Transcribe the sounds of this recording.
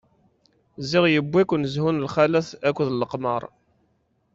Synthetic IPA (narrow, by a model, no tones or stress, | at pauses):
zɪʁjəbːikʷːnəzhunlχælæθækʷːðləqməɾˤ